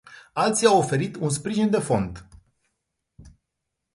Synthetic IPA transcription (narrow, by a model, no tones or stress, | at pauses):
alt̪siawo̞fe̞ɾit̪unspɾiʒind̪e̞fo̞nd̪